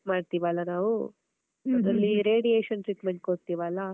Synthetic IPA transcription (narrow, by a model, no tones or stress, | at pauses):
maːɖt̪iːʋɐlːɐnaːʋu | ɐlːiɾeːɖieːʃɐnʈɾiːʈmeɳʈ̚koɽt̪iːʋaːlːɐ